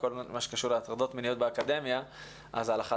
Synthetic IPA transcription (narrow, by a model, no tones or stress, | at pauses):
ko̞lmaʃe̥kaʃuʁleat̪ʁad̪ot̪menijo̞t̪̚beakad̪e̞mja | ʔa̰zalaχa